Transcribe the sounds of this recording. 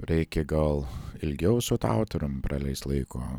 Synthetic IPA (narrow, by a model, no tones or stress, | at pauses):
ɾʲɛɪkʲɛɡɐlˠɪlʲɡʲɛʊsʊt̪ɑ̰ˑʊt̪ɐɾʲʊmpɾɑlʲɛɪst̪lˠɐɪkoː